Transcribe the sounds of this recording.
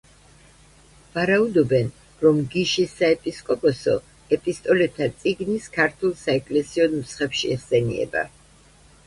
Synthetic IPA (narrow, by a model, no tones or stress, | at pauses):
vaɾaud̪ɔbɛn | ɾɔmɡiʃisːaɛpʼiskʼɔpʼɔsɔ̰ | ɛpʼist̪ʼɔlɛt̪ʰːat̪sʼiɡniskʰaɾt̪ʰɛlˠsaɛkʼlɛsiɔnmsχɛpʃiɛʁsɛnḭɛ̰ba̰